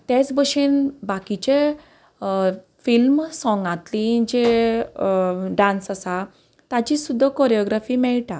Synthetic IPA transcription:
t̪et͡sbəɕinbakit͡ɕe | filmsɔ̃ŋɡat̪lĩd͡ʑe | ɖãnsasa | t̪at͡ɕisud̪ʱːəkɔɾjɔɡɾafiːmɛɭʈa

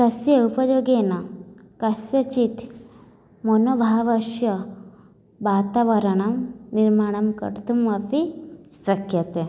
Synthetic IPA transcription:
sɐsjɐupɐd͡ʒoːɡeːnɐkɐsjɐt͡ʃit̪ | mɐnoːbʱaːʋɐʃjɐ | ʋaːt̪aʋɐɾɐɳ̃ɐmniɾmaːɳ̃ɐmkɐ̰ɾt̪umɐbisɾɐkʰjɐt̪e

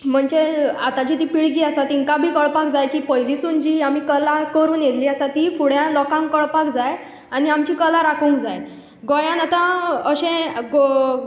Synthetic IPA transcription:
m̤əɳd͡ʑeat̪at͡ɕit̪iːpiɭɡiːasat̪iŋkabʱiːkəɭpakd͡zajkiːpəɦjlisund͡ʑiːam̤iːkəlakəɾuːnjet̪liːasat̪ifuɽjãlɔkãŋkkəɭpakd͡zaj | añiamt͡ɕiːkəlaɾakʰũːŋkd͡zaj | ɡojãnat̪ãəɕẽɡ

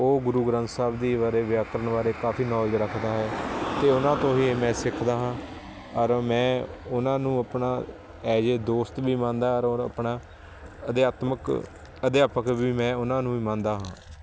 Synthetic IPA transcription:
oːɡʊɾuːɡɾə̃nt̪saːbd̪iːʋaːɾeːʋɪjaːkəɾəɳʋaːɾeːkaːfʰiːnɔːlɾəkʰd̪aːɦɛːt̪eːʊnãːt̪õːɦiːmɛ̃ːsɪkʰd̪aːɦãː | əɾmɛ̃ːʊnãːnũːəpɳaː | ɛːd͡ʒeːd̪oːst̪biːmãːnd̪aːəɾoɾə̰pɳaː | əd̪jaːt̪mək | əd̪jaːpəkʋiːmɛ̃ːʊnãːnũːiːmãːnd̪aːɦãː

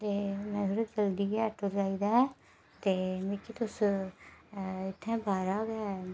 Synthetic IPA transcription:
t̪eːmɛ̃ːʊɾed͡ʒəlɖ̪iːɡɛʈoɾd͡ʒaːiːd̪aːɛ | t̪eːmẽkit̪ʊs | ɪt̪ʰːɛ̃ːbaːɾaːɡɛɛ

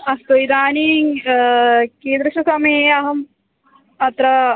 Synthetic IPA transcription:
ɐst̪ojid̪aːniːŋ | keːd̪ɾɐʃukɐmeːɐɦɐm | ɐt̪ɾɐ

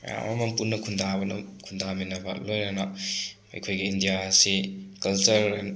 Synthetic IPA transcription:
ja̰mamɐmpunːɐkʰundʱabɐnɐ̰kʰundʱaminɐbɐ̰lojnɐnɐ | ɐ̰jkʰojɡiːndijasikɐlt͡ʃɐɾ

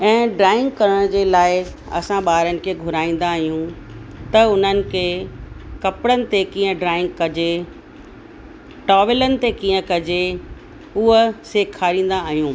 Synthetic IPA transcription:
ɛ̃ːɖɾaːɪ̃ŋɡ̚kɐɾəɽ̃d͡ʑeːlaːɪ | ɐ̰sãɓaːɾənɪ̆kʰeːɡʱʊɾaːĩːn̆d̪aːɦijũ | t̪ɐʊn̤ənɪ̆kʰeːkɐpɽənɪ̆t̪ekĩːə̃ɖɾaːɪ̃ŋɡkɐd͡ʑe | ʈɔːʋɪlənɪ̆t̪ekiːə̃kɐd͡ʑe | ʊɦəseːkʰːaːɾĩːn̆d̪aːɦijũː

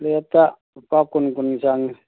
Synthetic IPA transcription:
liat̪a | pakunkunisaŋ

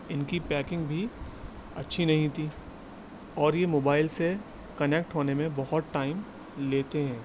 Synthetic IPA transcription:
ɪnkipɛːkɪ̃ŋɡbʱi | ɐtːʃʰinɐɦĩt̪ʰi | ɔːɾjemoːbaːɪlse | kɐnek̚ʈɦoːnemẽbɐɦʊt̪ʈaːɪm | leːt̪eɦɛ̃ː

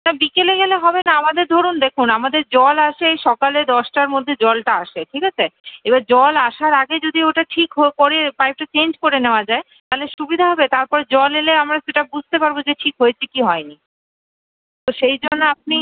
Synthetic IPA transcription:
nabikeleɡɛleɦɔbenaamad̪eɾd̪ʱoɾund̪ekʰunamad̪eɾd͡ʑɔlaʃeʃɔkaled̪ɔʃʈaɾmod̪ʱːed͡ʑɔlʈaaʃeʈʰikat͡ɕʰeebad͡ʑɔlaʃaɾaɡed͡ʑod̪ioʈaʈʰikɦokoɾepajp̚ʈat͡ɕend͡ʑkoɾeneoad͡ʑae | t̪aɦleʃubid̪ʱaɦɔbet̪aɾpɔɾed͡ʑɔleleamɾaʃeʈabud͡ʑʱt̪epaɾbod͡ʑeʈʰikɦoet͡ɕʰekiɦɔeni | t̪oʃejd͡ʑonːoap̚ni

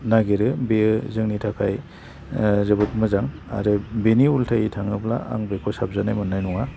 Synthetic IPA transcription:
naɡeɾɯbeɯzɯŋnitʰakʰaj | zɯbɯt̚mɯzaŋ | a̰ɾɯbeniultʰajitʰaŋɯpla̰a̰ŋbekʰɔsap̚zanajmɯnːajnuŋa

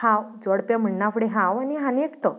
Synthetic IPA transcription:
hãwd͡zəɽpjam̤əɳːafʰɽeɦãwaniɦanekt̪ə

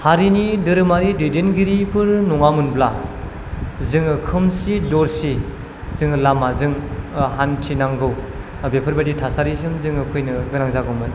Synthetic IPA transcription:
haɾinidɯɾɯmaɾidɯjdenɡiɾipʰɯɾnɔŋamunbla | zɯŋɯkʰɯmsidɔɾsi | zɯŋɯlamazɯŋɦantʰinaŋɡɯw | bepʰɯɾbaditʰasaɾisɯmzɯŋɯkʰujnɯɡɯɾaŋzaɡɯmɯn

